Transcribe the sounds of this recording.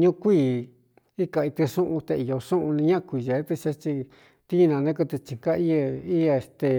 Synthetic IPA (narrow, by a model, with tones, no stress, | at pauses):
ɲũ˦kʷiː˦˧˨ | i˦ka˧i˧t̪ɨ˧ʂũ˦ʔũ˧t̪e˧i˨jo˨˧ʂũ˦ʔũ˧nĩ˧˦ɲã˦ʔkʷi˨ʒe˨˦t̪ɨ˧t͡ʃa˧t͡ʃi˧ | t̪i˦˧nã˧nẽ˦k̬ɨ˧t̪ɨ˧t͡ʃi˨ka˦i˦a˧i˦a˧e˧˨st̪e˧